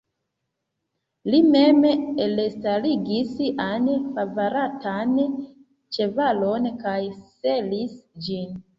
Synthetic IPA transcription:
limemelestaliɡisanfavaɾatʰan | t͡ʃe̞valo̞nkajse̞lisd͡ʒin

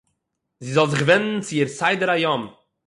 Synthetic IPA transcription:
zizɔlˠzɪχɡvɛnn̩t͡sɪiːɾsaɪdəɾajɔm

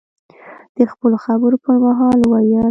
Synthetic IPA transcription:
d̪̥əxpəloxabəɾopəɾmaɦɑlwajɑ

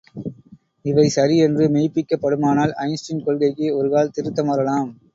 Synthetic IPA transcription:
ɪʋɐɪsɐɾiɛndrɯmeɪpːɪkːɐpːɐɽɯmaːnaːlɐɪnsʈɪnkɔlɣɐɪkːɯɔɾɯɣaːlt̪ɪɾɯt̪ːɐmɐɾɐlaːm

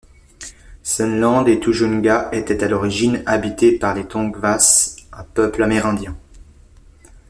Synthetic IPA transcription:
sɛnlɑ̃d̪et̪uʒunɡaet̪ɛt̪alɔʁiʒinabit̪epaʁlet̪ɔ̃ɡvasɛ̃pœplamɛʁɛ̃d̪jɛ̃

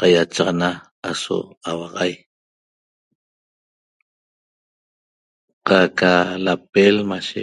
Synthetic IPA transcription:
qajat͡ʃaʁɑna | aso̰awɑʁɑj | qakalap̚elmaʃe

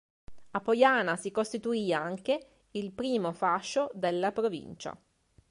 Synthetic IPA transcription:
apojaːnasikost̪it̪uiːaŋke | ilpɾiːmofaʃːod̪elːapɾovḭnt͡ʃa̰

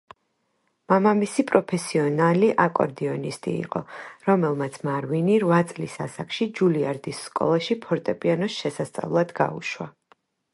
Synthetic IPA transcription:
mamamisipʼɾɔpʰɛsiɔnaliʔakʼɔ̰ɾd̪iɔnist̪ʼḭːqʼɔ̰ɾɔmɛlˠmat̪sʰmaɾwiniɾvat̪sʼlisasakʼʃid͡ʒuliaɾd̪isːkʼɔ̰lˠaʃipʰɔɾt̪ʼɛpʼianɔsʃɛsast̪sʼa̰vlˠad̪̥ɡa̰ṵʃwa̰

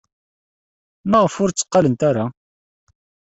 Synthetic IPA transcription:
məʁəfʊɾt͡sːə̥qːɑlənt̪aɾa

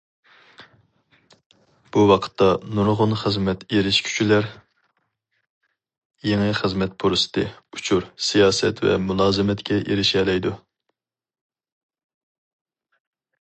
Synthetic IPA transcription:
b̥uwɑqʰə̥t̪ʰːɑnuɾʁʊnχəzmɛt̪eɾɪʃkʲʰy̥t͡ʃʰylæɾ | jeŋɨχəzmɛt̪̚pʰoɾɨsɨ̥t̪ʰɨut͡ʃʰuɾsijɑːsɛt̪vɛ̰mulˠɑːzɨmɛt̪kʲʰɛʔeɾɪʃɛlɛjd̪u

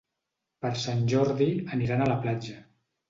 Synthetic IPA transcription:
pəɾsanʲʒɔɾðiəniɾanələplad͡ʒə

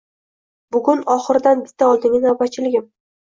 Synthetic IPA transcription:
bʊɡʲʊnɒχɨɾɪd̪anbɪt̪ʰːaɒlˠd̪ɪŋʲɪnawbat͡ʃʰɪlɪɡʲɪm

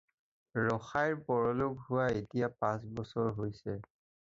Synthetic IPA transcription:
ɹɔxajɹpɔɹɔlʊkhʊwaetijapãs̬bɔsɔɹɦojsɛ

